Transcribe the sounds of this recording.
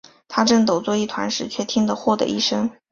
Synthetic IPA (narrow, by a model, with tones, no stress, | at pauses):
t̪ʰa˥ʈ͡ʂɤ˥˩ŋt̪o˨˩ʊt͡swɔ˥˧i˥˩t̪ʰwa̰˧˥nʂɻ̩˨˩t͡ɕʰɥɛ˥˩t̪ʰi˥ŋd̪ə˨xwɔ˥˩d̪ə̰˩ʔḭ˥˩ʂɤ˥ŋ